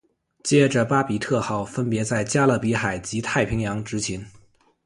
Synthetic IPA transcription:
t͡ɕjɛ˥ʈ͡ʂə˧pa˥pi˨˩t̪ʰɤ˥˧xɑ˥˩ʊfə˥npjɛ˧˥t͡sa˥˩ɪt͡ɕja˥lɤ˥˩pi˧˥xa˨˩ɪt͡ɕi˧˥t̪ʰa˥˩ɪpʰi˧˥ŋjɑ˧˥ŋʈ͡ʂɻ̩˧˥t͡ɕʰi˧˥n

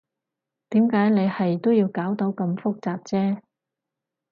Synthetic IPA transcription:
t̪iː˨˥mkaː˨˥jne˨˧jhɐ˨jt̪o˥wji˧wkaː˨˥wt̪o˨˧˥wkɐ˧mfʊ˥k̚t͡saː˨p̚t͡sɛː˥

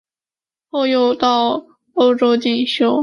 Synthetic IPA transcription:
xo˥˧ʊjo˥˧ʊt̪ɑ˥˩ʊ | o˥ʊʈ͡ʂo˥ʊt͡ɕi˥˩ŋɕjo˥ʊ

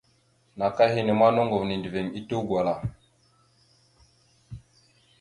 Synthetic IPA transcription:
na˨ka˦hi˦ne˨ma˦no˦ŋɡo˨vni˨ndi˨ve˨ŋi˦to˦ɡwa˨la˨

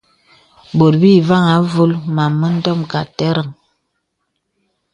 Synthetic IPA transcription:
bo˨ɾbi˦˨va˦˨ŋa˨˦vu˦lma˨mːə˦n̩˦dɔ˦mka˨tɛ˦ɾə˨ŋ

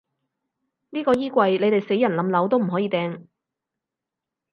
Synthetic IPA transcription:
niː˥kɔː˧jiː˥kʷɐ˧jle˨˧jt̪e˨jse˨˥jɐ˨˩nlɐ˨˥mlɐ˨˥wt̪o˥wm̩˨˩ɦɔː˨˥jiː˨˧t̪ɛː˧ŋ

